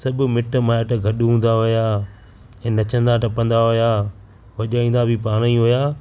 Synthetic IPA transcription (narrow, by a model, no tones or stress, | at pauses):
sɐbʱʊmɪʈmãːeʈəɡʱɐɗɦũːn̆d̪aɦʊjaː | ɛ̃ːnɐt͡ɕə̃nd̪aʈɐpə̃nd̪aɦʊjaː | ʋɐʄaːĩːn̆d̪abʱipaːɽ̃ĩɦojaː